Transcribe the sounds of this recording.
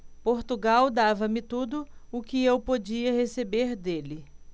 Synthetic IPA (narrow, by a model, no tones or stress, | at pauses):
poɾt̪uɡawd̪avɐmɪt̪ud̪ʊʊkɪewpod͡ʒiɐhesebeɾd̪elɪ